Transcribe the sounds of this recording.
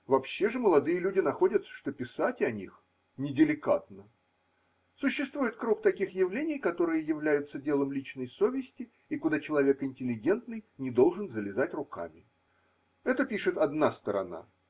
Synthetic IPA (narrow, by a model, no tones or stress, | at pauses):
vɐpɕːe̞ʐɨməlˠɐd̪ɨjəlʲudʲɪnɐxo̞dʲət̪sːə̥ʂt̪o̞pʲɪsatʲɐnʲix | nʲɪdʲɪlʲɪka̰t̪nə | sʊɕːɪst̪vujɪt̪kɾuk̚t̪ɐkʲixjɪvlʲenʲɪjkɐt̪o̞ɾɨjəjɪvlʲæjʊt̪sədʲe̞lˠəmlʲit͡ɕnəjso̞vʲɪsʲtʲɪ | ikʊd̪at͡ɕɪlˠɐvʲe̞kɪnʲtʲɪlʲːɪɡʲe̞nt̪nɨjnʲɪd̪o̞lˠʐɨnzəlʲɪzatʲrʊka̰mʲɪ | ɛt̪əpʲiʂɨt̪ɐd̪nast̪əɾɐ̰na̰